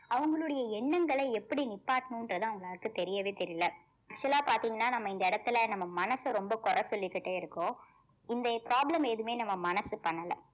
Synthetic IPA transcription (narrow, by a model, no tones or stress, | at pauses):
ɐʋɐŋɡɐɭɯɽɐjɐɛɳːɐŋɡɐɭɐɪɛpːɐɽinɪpːaːʈːɐnʊ̃ɪndɾɐðãːɐʋɐŋɡɐɭaːɾɯkːɯt̪ɛɾɪjɐʋeːt̪ɛɾɪjɐlɐ | ɐk̚t͡ʃɯɛlaːpaːɾt̪iːŋɡɐnːaːnɐmːɐɪnd̪ɐɪɽɐt̪ːɪlɐnɐmːɐmɐnɐsɯɾɔmbɐkɔɾɐsɔlːɪkːɪʈːeːɪɾɯkːõː | ɪnd̪ɐpɾaːblɐmeːðɯmeːnɐmːɐmɐnɐsɯpɐɳːɐlɐ̰̃